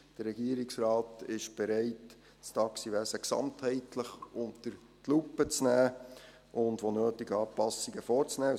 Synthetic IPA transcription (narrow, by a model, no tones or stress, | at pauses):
d̥ərːɛɡ̥iəɾiksɾɑːtɪʃb̥ɛɾɛɪt | stɑksiʋæsəksɑ̰mthɛɪtləχʊnt̪əɾ | tlupːət͡snæː | ʔʊndʋonøːtiɡɑːpɑsːiɡəfɔːɾt͡snæː